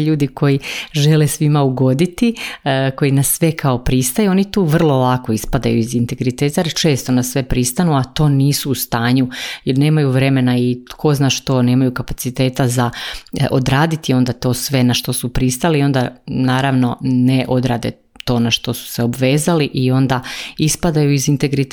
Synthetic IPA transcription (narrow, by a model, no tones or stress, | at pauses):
ʎuːd̪iko̞jiʒe̞lesʋimauɡo̞d̪it̪iko̞jinasːʋe̞kʰao̞pɾist̪ajuo̞nit̪uːʋr̩lˠo̞lako̞ispad̪a̰juizint̪e̞ɡɾit̪eːt̪ajɾt͡ʃe̞ːst̪onasːʋe̞pɾist̪anuat̪o̞ːniːsuːst̪aːɲujeɾne̞ːmajuʋɾe̞me̞naikʰo̞znaːʃt̪o̞ːne̞ːmajukapat̪sit̪e̞ːt̪azaʔod̪ɾaːd̪it̪io̞nd̪at̪o̞ːsʋe̞naʃt̪o̞supɾist̪alio̞nd̪anaːɾaʋno̞neʔod̪ɾaːd̪e̞̰ | t̪o̞ːnaʃt̪o̞su̥seobʋe̞ːzaliʔio̞nd̪aispad̪ajuizint̪eɡɾit̪